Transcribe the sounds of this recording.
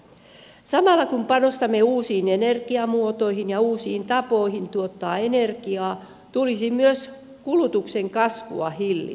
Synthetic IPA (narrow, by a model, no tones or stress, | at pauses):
sɑmɑlːˑɑkumpɑnost̪ɑmːeuːsiːnenerɡiɑmuot̪oihinjɑuːsiːnt̪ɑpoihint̪uot̪ːɑːenerɡiɑː | t̪ulisimyøs | kulut̪ukseŋkɑsʋṵɑ̰hilːḭ